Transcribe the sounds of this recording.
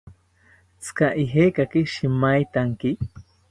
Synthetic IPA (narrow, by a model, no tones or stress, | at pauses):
t͡skaʔiɦekakiʃimajt̪aŋki